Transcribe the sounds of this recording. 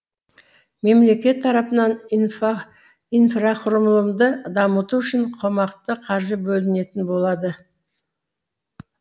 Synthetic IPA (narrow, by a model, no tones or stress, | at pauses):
me̞mle̞kʲe̞t̪ʰːɑɾɑpənɑn | infraqʰʊroməlˠəmd̪əd̪ɑmət̪uʏʃɪɴqʰomɑqt̪əqʰɑɾʒəbɵlɪne̞t̪ɪnbo̞lˠɑd̪ə